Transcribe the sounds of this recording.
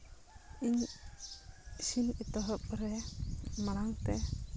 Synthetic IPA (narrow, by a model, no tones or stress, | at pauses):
iɲ | sinit̪ɔɦɔp̚ɾɛmaɽaŋt̪ɛ